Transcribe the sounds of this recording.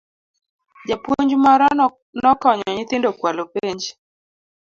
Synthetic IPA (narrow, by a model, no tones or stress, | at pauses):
d͡ʒapuɲd͡ʒmɔɾɔ | nɔkɔɲɔɲɪt̪ɪndokwalopeɲd͡ʒ